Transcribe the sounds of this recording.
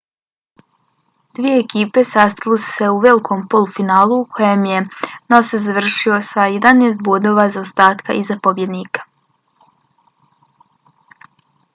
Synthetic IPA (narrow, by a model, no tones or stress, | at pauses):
d̪ʋije̞ːkiːpe̞sast̪alosu̥se̞uʋe̞likʰo̞mpo̞lufinaːlˠuːkʰo̞jemje̞nosazaʋr̩ʃio̞sajed̪aneːs̬t̪̚bod̪o̞ːʋaːzaost̪aːt̪kaʔizapobje̞d̪niːkḁ